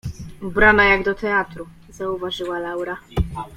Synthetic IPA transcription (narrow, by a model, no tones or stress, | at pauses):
ubɾanajaɡd̪ɔt̪ɛat̪ɾu | zauvaʐɘwalawɾa